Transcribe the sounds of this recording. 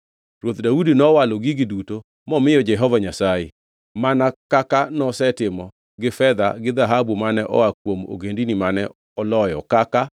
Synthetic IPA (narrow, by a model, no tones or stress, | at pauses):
ɾwot̪daudinɔwaloɡiɡɪduto | mɔmɪjɔd͡ʒɛɦɔvaɲasajḛ | manakakanɔsɛtɪmɔ | ɡɪfɛd̪a̰ɡɪd̪aɦabumanɛʔɔ̰wak̚womo̰ɡendinimanɛ | ɔlɔjɔkaka